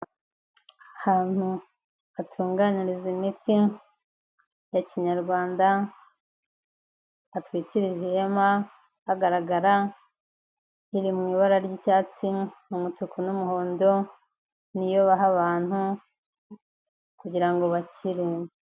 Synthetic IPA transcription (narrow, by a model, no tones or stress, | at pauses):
ahaːn̥hu | atʰuːŋɡaniɾizimiti | jaciɲaɾɡwaːnda | atwiːciɾiʒijema | haɡaɾaɡaɾa | iɾimŋiːβaɾaɾɟicaːt͡simumutukunumuɦo̞ːndo̞ | nijo̞βaɦaβaːn̥hu | kuɟiɾaŋɡo̞βaciɾe